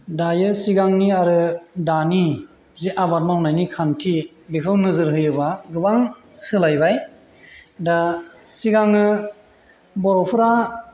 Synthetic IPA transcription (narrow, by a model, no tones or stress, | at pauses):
dajɯsiɡaŋniaɾɯdani | zeʔabat̚mawnajnikʰantʰi | bikʰɯwnɯzɯɾɦɯjɯbaɡɯbaŋ | sɯlajbaj | da | siɡaŋɯ | bɔɾɔpʰɯɾa